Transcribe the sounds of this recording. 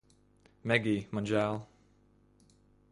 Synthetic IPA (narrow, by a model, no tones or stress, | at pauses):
mɛɡimɑ̃nd͡ʒalˠ